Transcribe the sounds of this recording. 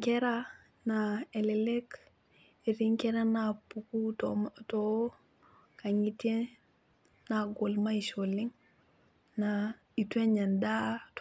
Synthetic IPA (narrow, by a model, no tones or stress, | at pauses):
keɾa | naelelek | eɾiŋkeɾanapukutto | kaŋite | naɡolmaiʃolːiŋ | na | itweɲandat